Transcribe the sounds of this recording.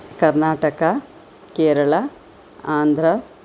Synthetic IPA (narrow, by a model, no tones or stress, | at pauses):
kɐɾnaːʈɐkɐ | keːɾɐɭɐ | aːnd̪ʱɾɐ